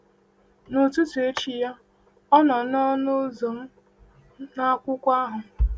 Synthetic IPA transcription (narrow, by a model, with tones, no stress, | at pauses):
nu˨tu˦tu˨e˦t͡ʃi˨ja˦ | ɔ˦nɔ˨nɔ˦no˦zo˨m̩˦ | na˦kʷʊ˦kʷa˦ɦʊ˨